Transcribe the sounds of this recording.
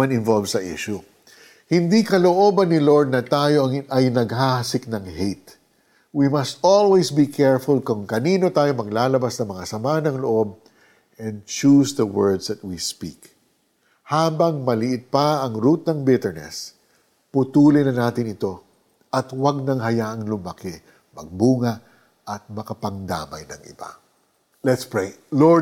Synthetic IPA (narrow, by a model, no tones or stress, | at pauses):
anɪnvolvsɐʔḭʃʊ | hɪnd̪ikɐlo̞ʔo̞ːbɐnːɪlo̞ɹd̪̚nɐt̪aːjo̞ɐŋʔɐjnɐɡ̚hahɐsɪk̚nɐŋhejt̪ | wimɐst̪olwesbikʰɛɹfʊlkʊŋkɐniːno̞t̪aːjo̞mɐɡ̚laːlɐbasnɐŋmɐŋasɐmaɐnɐŋloʔo̞b̚ | ʔɛ̃nd̪̚t͡ʃusðɐwɛɹd̪sd̪ɐt̪̚wispḭk | haːbɐŋmɐlɪʔɪt̪̚pɐɐŋɾuːt̪ɐŋbɪt̪ɛɹnɛ̰s | pʊt̪uːlɪnɐnaːt̪ɪnɪt̪o̞ | ʔɐt̪waɡ̚nɐŋɦɐjaːʔɐŋlʊmakɪ | mɐ̰ɡ̚buːŋɐʔ | ʔɐt̪̚mɐkɐpɐŋd̪a̰ːmɐ̰jnɐ̰ŋɪ̰ba̰ | lɛt̪spɹelo